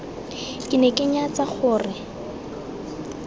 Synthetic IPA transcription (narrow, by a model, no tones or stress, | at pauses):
kʼɪnɛkʼɪɲat͡saχʊːrɪ